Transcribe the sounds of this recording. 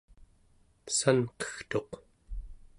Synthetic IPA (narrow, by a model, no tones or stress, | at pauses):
sanqʌ̥xt̪o̞q